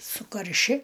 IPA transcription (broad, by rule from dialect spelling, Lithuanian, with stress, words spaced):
sʊkɐrʲˈʃʲɪ